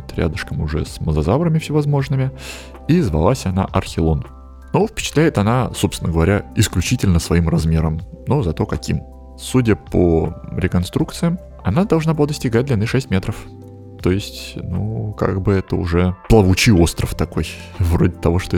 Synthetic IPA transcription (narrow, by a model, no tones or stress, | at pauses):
t̪ɾʲa̰d̪əʂkəmʊʐɛ̰sməzɐzavɾəmʲɪfsʲɪvɐzmo̞ʐnɨmʲɪ | izvɐ̰lˠasʲɐna̰ʔɐrxʲɪlˠon | nufpʲɪ̥t͡ɕɪt̪lʲæjɪt̪ɐnaso̞psɪnəɡəvɐɾʲaɪsklʲʉt͡ɕitʲɪlʲnəsvɐimrɐzmʲeɾəmnozɐt̪o̞kɐkʲḭm | sudʲəpəɾʲɪkɐnst̪ɾuk̚t̪sɨjəm | ɐnad̪ɐlˠʐnabɨlˠad̪əsʲtʲɪɡat̚ʲd̪lʲɪnɨʂɛsʲtʲmʲe̞t̪ɾəf | t̪ojɪsʲtʲnuka̰ɡ̚bɨɛt̪əʊ̰ʐɛplˠəvʊt͡ɕio̞st̪ɾəft̪ɐko̞j | vɾodʲɪt̪ɐvo̞ʂt̪o